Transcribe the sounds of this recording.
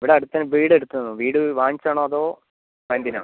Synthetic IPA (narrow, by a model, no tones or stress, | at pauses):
iʋiɽeɐɽut̪ːɐnɨbiːɽeɽut̪ːunnːuʋiːɽɨʋaːɲt͡ɕːaːɳoːɐðo̞ː | mɐnd̪ina̰ːɳ